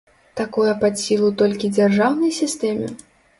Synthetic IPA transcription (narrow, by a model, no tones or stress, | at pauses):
t̪akɔjɐpat̪sʲilˠut̪ɔlʲkʲid͡zʲarʐawnɐjsʲist̪ɛmʲɪ̰